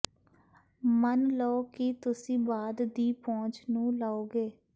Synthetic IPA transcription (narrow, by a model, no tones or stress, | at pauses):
mənləoːkɪt̪ʊsĩːbaːd̪d̪iːpɔ̃ːt͡ʃnũːlaːoːɡeː